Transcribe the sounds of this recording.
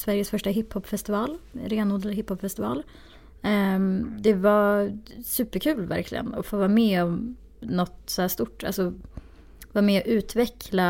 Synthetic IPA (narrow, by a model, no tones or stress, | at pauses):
svæɾjəsfœʂʈaɦɪpʰːhɔpːfɛst̪ɪvɑːlɾeːnuːd̪ɛlhɪphɔpfɛst̪ɪvɑ̰ːl | d̪ɛva | sʉ̟ːpəɾkʰʉ̟ːlvæ̰ɾklɪ̰ɡə̰nɔ̰foːvɑːmɛːɔv | nɔt̪sɔhæːʂt̪ʊʈːa̰lsɔ | vɑːmeːɔʔʉ̟ːt̪vɛkʰla